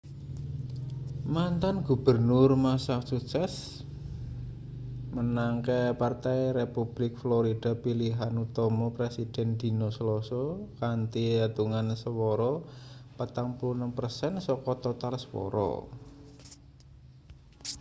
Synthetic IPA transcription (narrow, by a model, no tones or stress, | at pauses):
mant̪anɡub̥ərnʊrmasahsuksɛs | mənaŋkɛpart̪ajrepub̥lɪk̚flɔɾid̥a̤piliɦanut̪ɔmɔpɾesid̥ɛ̤nd̪̥i̤nɔsəlɔsɔkant̪iat̪uŋansəwɔɾɔpət̪aŋpulunəmpərsɛnsɔkɔt̪ɔt̪alsəwɔ̰ɾɔ̰